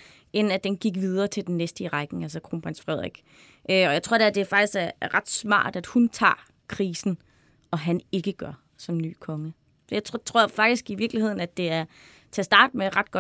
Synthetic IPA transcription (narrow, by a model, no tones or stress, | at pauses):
ʔennæd̥enɡ̥iɡ̥ʋið̞ˠɐːt͡sʰeld̥enːesd̥əʁɑ̈ɡ̥n̩æls̬ɒkʰʁo̰ːnpʰʁɑnsfʁɛð̞̰ˠʁiɡ̥ | ʔøɒjäɪt͡sʰʁo̝̰d̥æd̥e̝æɐfɑ̈ɡ̥isɡ̥æɐʁɑ̈d̥smɑ̰̈ːd̥æd̥hunt͡sʰɑ̰̈ː | kʰʁiːsn̩ | ɒ̽ɦæne̝ɡ̥əɡ̥ɶɐ | sɒ̽mny̰ːkʰɒ̽ŋə | sɒjäɪt͡sʰt͡sʰʁo̝ɐ̰fɑ̈ɡ̥̚d̥isɡ̥iʋiɐɡ̥lihe̝ð̞̰ˠn̩æd̥e̝æɐ | t͡sʰæsd̥ɑ̰̈ːd̥̚meʁɑ̈d̥̚ɡ̥ɒ̽